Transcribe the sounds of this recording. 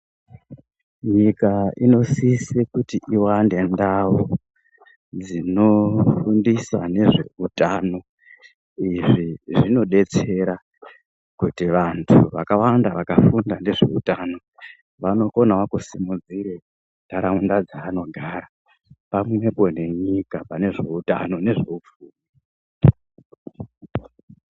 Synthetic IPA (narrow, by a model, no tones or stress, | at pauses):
ɲikaino̞sisekutiʔiwande̞ndawo | d͡zino̞fundiswa̰ne̞ʐe̞̰utano̞ | iʐiʐino̞ɗe̞t͡se̞ɾa | kutiʋantʰuʋa̰kawandaʋakafundane̞ʐe̞̰utaːno̞ | ʋano̞ko̞nawakusimud͡ziɾe | ndʱaɾaundad͡zaːno̞ɡʱaɾa | pamwe̞po̞ne̞ɲikapane̞ʐe̞uta̰no̞ne̞ʐe̞ufuːni